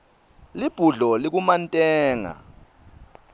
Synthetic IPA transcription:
lib̥ʱuɮɔlik̬umantʼɛːŋa̰

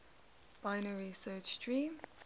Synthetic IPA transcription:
b̥aɪnəɹisɜːt͡ʃdɹĩːm

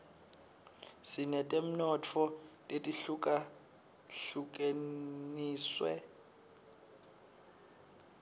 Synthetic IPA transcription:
sinɛtʼem̩nɔt͡fʰɔtʼetʼiɬukʼa | ɬukʼeniːswɛ̰

